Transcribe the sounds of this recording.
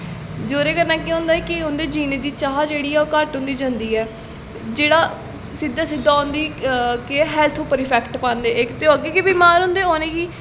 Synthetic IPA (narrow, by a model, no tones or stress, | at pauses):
d͡ʒoːɾeːkənãːkeɦʊ̃ːnd̪aːɛːkɪʊnd̪eːd͡ʒiːneːd̪iːt͡ʃaːɦad͡ʒeːɽiːɛːoːkəɾʈɦʊ̃nd̪iːd͡ʒãːnd̪iːɛː | d͡ʒeːɽaː | sɪd̪aːsɪd̪ːaːʊnd̪iːkeɦɛːlt̪ʰũːpəɾɪːpʰɛːkʈpand̪eːɪkt̪eoɡeːkebiːmaːɾɦʊ̃ːnd̪eːoːnẽːɡiː